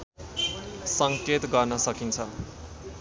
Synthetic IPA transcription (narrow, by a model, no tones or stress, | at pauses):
sʌŋket̪ɡʌrnʌsʌkint͡sʰʌ